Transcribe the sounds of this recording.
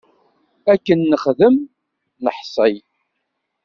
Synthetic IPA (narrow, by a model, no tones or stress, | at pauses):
ækːənːəχðəm | nəħsˤəj